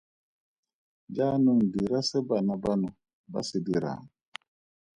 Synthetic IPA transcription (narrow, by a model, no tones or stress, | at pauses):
d͡ʒanuŋdiɾasɛbanabanu | ba̰sidiɾa̰ŋ